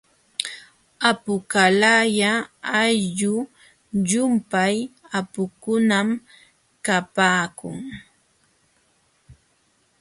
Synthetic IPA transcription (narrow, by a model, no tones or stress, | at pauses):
apʊkalajaajʎʊ | ʎʊmpajapʊkʊnam | kapaːkʊ̰ŋ